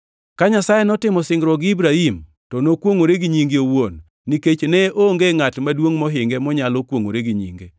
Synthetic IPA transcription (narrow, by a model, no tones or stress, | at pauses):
kaɲasajenɔtɪmɔsɪŋɡɾɔɡibɾahim | tɔnokwoŋoɾeɡiɲiŋɡeowonː | iket͡ʃneʔoŋɡeŋatmadwoŋmɔɦɪŋɡemɔɲalɔkwoŋo̰ɾeɡiɲḭŋɡe